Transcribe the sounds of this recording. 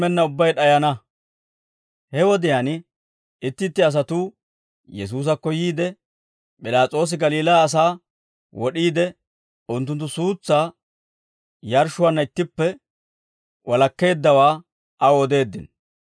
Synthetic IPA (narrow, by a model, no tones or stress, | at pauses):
mɛnːɐʊbːɐjɗɐjɐnɐ | hɛwɔd̪ɪjaːn | ɪt̪ːɪt̪ːɪɐs̬ɐt̪uː | jɛs̬uːs̬ɐkːɔjiːd̪ɛ | pʼɪlaːt͡sʼo̞ːs̬ɪɡɐliːlaːs̬aː | wɔɗiːd̪ɛ | ʊnt̪ːʊnt̪̬ːʊsuːt͡sːaː | jɐɾʃʊwanːɐɪt̪ːɪpːɛ | wʔɐlɐkːe̞ːd̪ːɐwaː | ʔɐwɔd̪e̞ːd̪ːɪ̰n